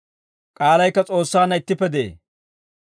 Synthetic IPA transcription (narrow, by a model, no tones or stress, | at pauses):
kʼaːlɐjkːɐt͡sʼo̞ːsːaːnːɐɪt̪ːɪpːɛd̪ḛː